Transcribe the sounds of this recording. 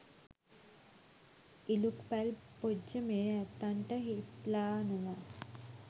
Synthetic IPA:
ilukpælpod͡ʒːəmeːæt̪ːaɳʈəɦit̪laːnəna

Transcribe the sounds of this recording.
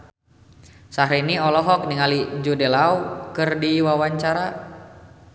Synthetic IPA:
saɦɾiniɔlɔɦɔk̚niŋaliɲd͡ʒudelaukɨrdiwawaɲt͡ʃaɾa

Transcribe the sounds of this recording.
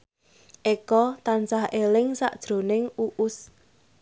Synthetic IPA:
ʔekɔt̪ansahelɪŋsa̰ʔd̥ʒ̥ɾo̤nɪŋuʔʊs

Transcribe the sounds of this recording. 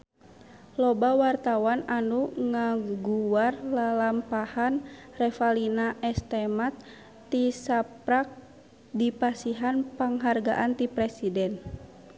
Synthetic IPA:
lɔbawart̪awananuŋaɡuarlalampahanrɛfalinaʔɛst̪ɛmat̪ː | isapɾak̚ | dipasiɦanpaŋɦarɡa̰ʔant̪ipɾɛsidɛn

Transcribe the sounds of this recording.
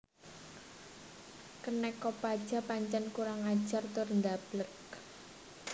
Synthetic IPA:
kənɛkːɔpad̥ʒ̥a̤paɲt͡ʃankuɾaŋad̥ʒ̥art̪ʊrnd̪ab̥lək

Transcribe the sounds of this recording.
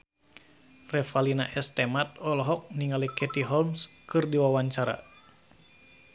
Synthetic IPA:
rɛfalina̰ʔɛst̪ɛmat̪̚ɔlɔɦɔk̚niŋalikɛt̪iɦɔlmskɨrdiwawaɲt͡ʃaɾa̰

